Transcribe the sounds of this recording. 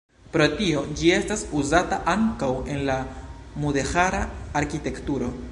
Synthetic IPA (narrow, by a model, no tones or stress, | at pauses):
pɾo̞tio̞d͡ʒie̞stasuzataʔaŋkawe̞nlamude̞haɾaːɾkite̞ktuɾo̞